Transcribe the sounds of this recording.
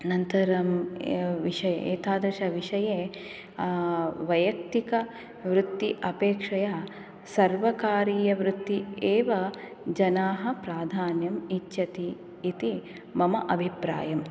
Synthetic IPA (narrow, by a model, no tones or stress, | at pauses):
nɐnt̪ɐɾɐmʋiʂɐjḛḛːt̪aːd̪ɾɐʃɐʋiʂɐjeː | ʋɐjɐk̚t̪ikɐ | ʋɾut̪ːiʔɐpeːkʂɐja | sɐɾʋɐkaːɾiːjɐʋɾut̪ːieːʋɐ | d͡ʒɐnaːɦɐ̆pɾaːd̪ʱaːnjɐmitːʃɐt̪iː | t̪i | mɐmɐʔɐbʱipɾa̰ːjɐm